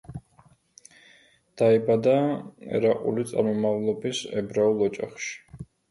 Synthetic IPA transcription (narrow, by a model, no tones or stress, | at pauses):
d̪̥aibad̪aɛ̰ɾaqʼṵlit̪sʼa̰ɾmɔmavlˠɔbisɛ̰bɾaulˠɔt͡ʃʼaχʃi̥